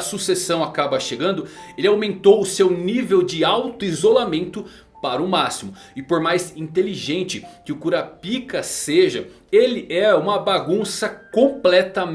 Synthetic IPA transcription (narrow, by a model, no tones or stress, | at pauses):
susesɐ̃w̃akabɐʃeɡɐ̃nd̪ʊelɪawmẽnt̪owʊsewnivewd͡ʒɪawt̪ʊizolamẽnt̪ʊ | paɾɐʊmasimʊ | ɪpoɾmajzĩt̪eliʒẽnt͡ʃɪkɪʊkuɾapikɐseʒɐ | elɪʔɛũmɐbaɡũsɐkõplɛt̪ɐm